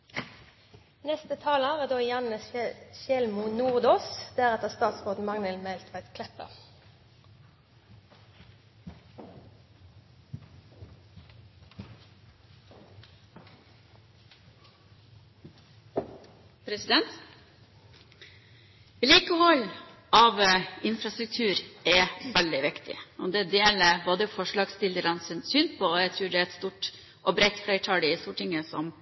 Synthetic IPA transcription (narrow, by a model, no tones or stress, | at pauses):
nɛst̪ət̪ʰɑːləʁæːd̪oːjɑnəsʃjɛlmunuːʁd̪oːsd̪̥æʁɛt̪əʁst̪ɑːt̪sʁoːd̪n̩mɑŋnəlmɛlt̪ʰʋæɪt̪kʰlɛpə̰ | pʰɾɛsɪd̪ɛnt̪ | liːkəhɔlʔɑːʋɪnfɾɑst̪ɾʉk̚t̪ʰʉːɾɛʋæld̪ɪʋɪkt̪ɪ̰ɔd̪ɛd̪eːləɾboːd̪əfɔʂɭɑːɡst̪ɪləɾɑnsɪnsyːnpʰoːɔæɪt̪ʰɾʉːɖɛːæɛt̪st̪uːʈ | ʔɔbɾɛt̪flæɪʈʰɑɽɪst̪uːʈʰɪŋəsɔ̰m